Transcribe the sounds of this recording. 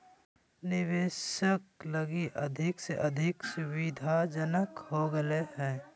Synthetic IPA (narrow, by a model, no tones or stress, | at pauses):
nɪʋeːʃəkləɡiʔəd̪ʱɪkseʔəd̪ʱɪksʊwid̪ʱad͡ʒənəkhoɡəehɛ̃ː